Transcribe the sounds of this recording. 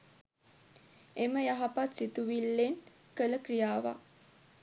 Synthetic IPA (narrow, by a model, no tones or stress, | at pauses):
eməjaɦapat̪sit̪uʋilːen | kələkrijaːʋa̰